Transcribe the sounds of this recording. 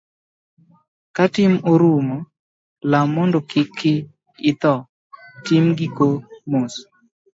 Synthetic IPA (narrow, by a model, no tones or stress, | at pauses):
katɪmoɾumo | lamɔndɔkɪkʰːɪ | ɪt̪ɔ | tɪmɡikomos